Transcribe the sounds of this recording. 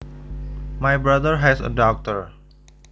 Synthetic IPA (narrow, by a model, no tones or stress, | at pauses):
majbɾad̪əɾɦɛsə̰dɔk̚təɹ